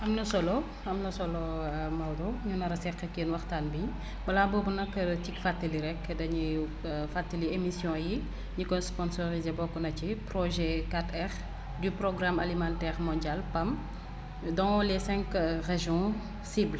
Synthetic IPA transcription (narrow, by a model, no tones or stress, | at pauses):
ʔɐmnɐsɔlɔ | ɐmnɐsɔlɔmɐldɔɲunɐɾɐsɛkːɐkeːnwɐxtaːnbiɲ | bɐlaːbɔbunɐkːɐtikfatːəliɾɛkːdɐɲi | fatːiliemisjɔ̃ji | ɲikɔnspɔnsɔʁizebɔkːɔnɐciprɔʒɛkatɛʁ | dyprɔɡramɐlimantɛʁmɔ̃nɟalpɐm | dɔŋɔlɛsɛ̃ŋkreʒjɔ̃ | sibl